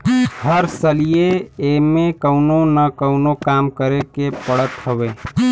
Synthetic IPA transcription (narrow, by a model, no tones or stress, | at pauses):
həɾsəlijeemẽkəʊnonəkəʊnokamkəɾekepəɽət̪ɦəʋe